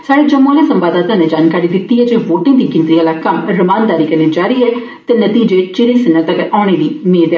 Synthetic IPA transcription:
saːɽeːd͡ʒəmːoːlẽːsə̃mbaːd̪aːt̪ãːneːd͡ʒaːnkaːɾiːd̪ɪt̪ːiːɦɛːd͡ʒeːʋoːʈẽːd̪iːkɪ̃nt̪ɾijãːlaːkəmɾəmaːnd̪aːɾiːkəneːd͡ʒaːɾiːɦɛː | t̪eːnət̪iːd͡ʒeːt͡ʃɪɾeːsɪnːət̪əkaːɽ̃eːliːmeːd̪ɛː

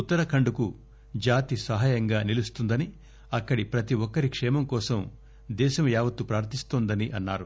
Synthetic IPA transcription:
ut̪ːɐɾɐkʰɐɳɖuku | d͡ʒaːt̪isɐɦaːjɐŋɡaːnilust̪und̪ɐni | ɐkːɐɽipɾɐt̪iwɔkːɐɾikʂɛːmɐmkɔːsɐm | d̪ɛːʃɐmjaːʋɐt̪ːupɾaːɾt̪ʰist̪oːnd̪ɐniʔɐnːaːɾu

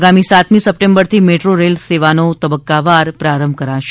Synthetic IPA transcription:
ɡamisat̪mĩsəp̚ʈẽmbəɾt̪ʰimeʈɾoɾelseʋanot̪əbəkːaʋaɾpɾaɾəmbʱkəɾaʃ

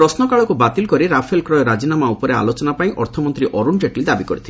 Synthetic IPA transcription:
ɾɔsnɔkaɭɔkubat̪ilkɔɾiɾapʰelkɾɔjɔɾad͡ʒinamaupɔɾea̰lot͡ʃɔnapaĩʔɔ̰ɾt̪ʰɔmɔnt̪ɾiʔɔɾund͡ʒeʈlid̪abikɔɾit̪ʰile

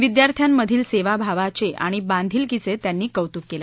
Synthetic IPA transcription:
ʋid̪jaɾt̪ʰjamːəd̪ʱiːlseʋabʱaʋat͡ɕeʔa̰ɽ̃ibãnd̪ʱiːlkit͡set̪janːiːkəʋt̪ukːela

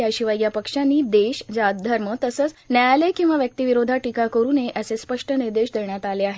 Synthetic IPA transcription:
jaɕiʋajɡjapəkʂanːiːd̪eɕd͡zad̪ʱəɾmət̪əsət͡snajalekĩw̃ʋaʋjək̚t̪iʋiɾod̪ʱaʈikakəɾuːneʔəsespəʂʈəniɾd̪eɕd̪eɳjat̪aleaɦe

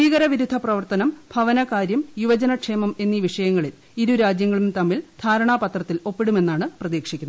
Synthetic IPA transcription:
iːɣɐɾɐʋiɾud̪ʱːɐprɐʋɐrt̪ɐnɐmbʱɐʋɐnɐkaːɾjɐmjuʋɐd͡ʑɐnɐkʂeːmɐme̞nːiʋiʂɐjɐŋːɐɭil | iɾuɾaːd͡ʑjɐŋːɐɭumt̪ɐmːild̪̥ʱaːɾɐɳaːpɐt̪rɐt̪ːilo̞pːiɽume̞nːaːɳɨprɐðiːkʂikʲːunː

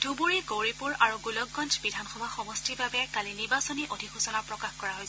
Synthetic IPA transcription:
d̥ʱubuɹiɡowɹipuɹaɹuɡulɔɡːɔnd͡ʒbidʱanxɔbʱaxɔmɔstibabɛkaliniɹbasɔniʔodʱikxusɔnapɹɔkaxkɔɹaɦoj

